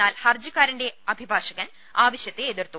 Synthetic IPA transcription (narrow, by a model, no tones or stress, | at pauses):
aːlhɐrd͡ʑukːaːɾinde̞ɐbʱibʱaːʂɐɣɐn | aːʋɐɕjɐt̪ːeːðirt̪ːu